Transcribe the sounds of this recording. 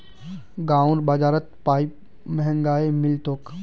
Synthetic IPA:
ɡãːʊɾbaːd͡ʒaːɾət̪paːip | mɐɦə̃ŋɡaːemɪlt̪oːk

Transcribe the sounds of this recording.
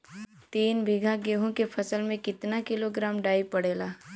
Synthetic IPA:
t̪iːnbʱɪɡʱaɡeːɦõkepʰɐsəlmẽkɪt̪nakɪloɡɾaːmɖaːipɐɽeːlaː

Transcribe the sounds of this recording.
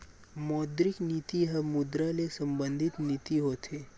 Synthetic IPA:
mɔːd̪ɾɪkniːt̪iɦɐmʊd̪ɾalesɐ̃mbə̃nd̪ʱɪt̪niːt̪iɦoːt̪ʰeː

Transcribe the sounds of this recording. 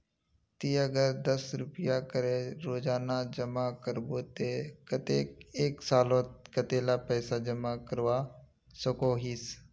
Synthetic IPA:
t̪iːəɡəɾd̪əsɾʊpɪjakəɾeɾoːd͡ʒaːnad͡ʒəmakəɾboːt̪ekət̪eːkeːksaːlõːt̪kət̪eːlapɛːsad͡ʒəmakəɾwa | səkoɦiːs

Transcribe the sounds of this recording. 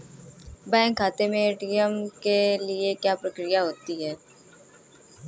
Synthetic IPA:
bɛ̃ːŋkʰːaːt̪emẽɖijəmkeliekjaːpɾəkɾijaɦoːt̪iɦɛː

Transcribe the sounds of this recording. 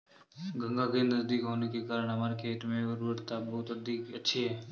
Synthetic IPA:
ɡə̃ŋɡaɡẽːnnəzd̪iːkɦoːnekekaːɾəɽ̃ɦɐməːɾket̪mẽʊɾʋəɾt̪abɐɦʊt̪əd̪ʱiːkətːʃʰiɦɛː

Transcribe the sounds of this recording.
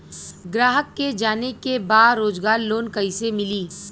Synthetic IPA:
ɡɾaːɦəkːed͡ʒaːnekebaːɾoːd͡ʒɡaːɾloːnkɐɪsemɪliː

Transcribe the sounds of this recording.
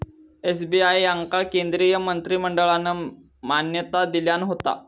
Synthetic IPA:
esbiajaŋkakend̪ɾiːjəmənt̪ɾiːməɳɖəɭanːə | manjət̪ad̪iljanɦot̪a̰

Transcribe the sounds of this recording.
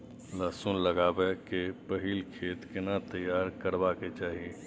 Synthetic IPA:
laːsuːnləɡaːbekepəɦiːlkʰeːt̪kɪnat̪əjːaːɾkəɾbaket͡ʃaːɦie

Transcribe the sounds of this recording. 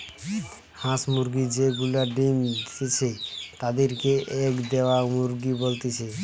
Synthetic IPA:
hãsmuɾɡid͡ʒeɡulaɖimd̪t̪it͡ʃʰɛt̪ad̪iɾkeʔekd̪eʋamuɾɡibolt̪it͡ʃʰɛ

